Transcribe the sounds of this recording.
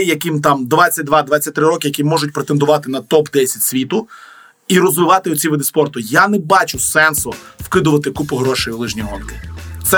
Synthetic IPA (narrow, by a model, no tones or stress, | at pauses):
jɐkɪmt̪ɑmd̪ʋat͡sʲːɐt̚ʲd̪ʋɑd̪ʋat͡sʲːɐt̚ʲt̪ɾɪɾɔkɪjɐkʲimɔʒʊt̚ʲpɾet̪end̪ʊʋɑt̪ɪnɐt̪ɔpd̪ɛsʲɐtʲsʲʋʲit̪ʊ | iɾɔzʋɪʋɑt̪ɪɔt͡sʲiʋɪd̪ɪspɔrt̪ʊjanɛbɑt͡ʃʊsɛnsʊwkɪd̪ʊʋɐt̪ɪkupʊɦɾɔʃɪjlˠɪʒnʲiɦɔnkɪ̥t̪sɛ